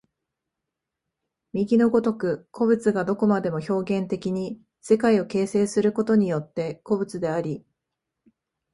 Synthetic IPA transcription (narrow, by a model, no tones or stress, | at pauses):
mʲiɡʲino̞ɡo̞t̪o̞kɯ̟kʰo̞bɯ̟t͡sɨɡad̪o̞ko̞mad̪e̞mo̞ço̞ːɡẽ̞nt̪e̞kʲiɲ̟i | se̞kaio̞ke̞ːse̞ːsɨɾɯ̟ko̞t̪o̞ɲ̟ijo̞t̪ːe̞ko̞bɯ̟t͡sɨd̪e̞aɾʲi